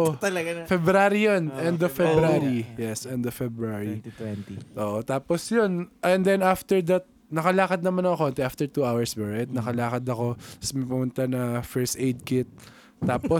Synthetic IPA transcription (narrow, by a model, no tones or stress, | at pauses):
ʔoɐlɐɡfɛbɾaːɾijonʔɛnd̪ovfɛbɾaɾijɛsʔɛnd̪ɔvfɛbɾaɹiiʔoːʔot̪aːposjonʔɛnd̪ɛnaft̪ɛɹd̪ɐt̪̚ | nɐkɐlaːkɐd̪̚nɐmanɐŋɐkont̪ɛʔaft̪ɛɹt̪uawɛɹsbɛɹɐjt̪̚nɐkɐlaːkɐd̪ɐko̞smɐjpʊmʊnt̪anɐfɛɹst̪ʔejd̪̚kɪt̪̚ː | aːpo